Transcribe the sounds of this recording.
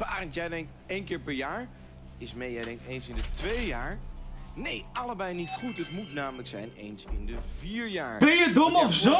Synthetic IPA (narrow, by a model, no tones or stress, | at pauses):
baːrəntjɛjdɛŋk̚t | ejnkɪːɹpɛɹjaːɹ | ɪsmejɛjdɛŋk̚tejnsɪndətʋejjaːɹnejɑləbɛjnitχutɦətmutnaːmələksɛjnḛjnsɪ̰ndəviːɹjaːɹb̥ɛjədomɔfzo